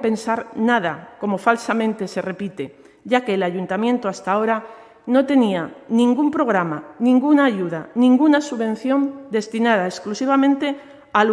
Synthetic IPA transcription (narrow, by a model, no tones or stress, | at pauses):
pe̞nsaɾnaðako̞mo̞falsamẽ̞nt̪e̞se̞re̞pit̪e̞ | ʝake̞ːlaʝunt̪amjẽ̞nt̪oast̪ao̞ɾa | no̞t̪e̞nianĩŋɡumpɾo̞ɣ̞ɾamanĩŋɡunaːʝuð̞anĩŋɡunasuβẽ̞n̟θjo̞nd̪e̞st̪inað̞aesklusiβ̞amẽ̞nt̪e̞ | a